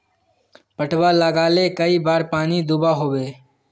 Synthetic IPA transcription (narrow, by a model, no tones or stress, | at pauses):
pəʈʰwaləɡaːlekəibaːɾpaːnid̪ʊbaɦoːʋeː